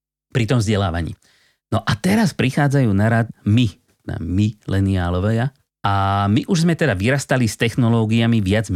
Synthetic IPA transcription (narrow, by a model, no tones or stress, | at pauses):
pɾit̪ɔmvzɟɛlaːʋa̰ɲḭː | nɔʔat̪ɛɾaspɾixaːd͡zajuːnaɾat̪̚mit̪ɛd̪a̰milɛniaːlɔʋɛja | amiʔuʒzmɛt̪ɛd̪aʋiɾast̪alist̪ɛxnɔlɔːɡijamiʋɪad͡z